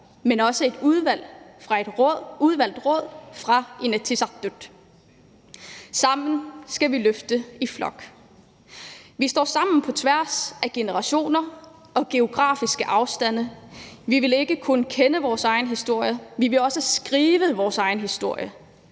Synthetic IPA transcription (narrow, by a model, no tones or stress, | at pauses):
menɒ̽səe̝d̥uðˠʋæl̰fʁɑ̈e̝d̥uð̞ˠʋæl̰d̥ʁɔð̞̰ˠfʁɑ̈ʔenæt͡sʰisɑd̥ød̥ | sɑ̈m̰n̩sɡ̥æʋiløfd̥əiflɒ̽ɡ̥ | ʋisd̥ɒ̰ːsɑ̈m̰n̩pʰɒ̽t͡sʰʋæɐ̰sæɡ̥e̝nəʁɑ̈ɕo̝̰ːnɐ | ɒ̽ɡ̥e̝o̝ɡ̥ʁɑ̰̈ːfisɡ̥əʔɑ̈ʊsd̥æn̰əʋiʋe̝le̝ɡ̥əkʰunkʰenəʋɒːsɑ̈ɪn̩ɦisd̥o̝ɐ̰jəʋiʋe̝lɒ̽səsɡ̥ʁiːʋəʋɒːsɑ̈ɪn̩ɦisd̥o̝ɐ̰jə